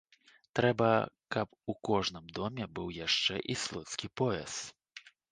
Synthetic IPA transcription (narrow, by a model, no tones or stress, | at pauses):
t̪ɾɛbɐkɐpukɔʐnɨmd̪ɔmʲɛbɨwjaʂt͡ʂɛʔislˠɔt̪skʲipɔɛ̰s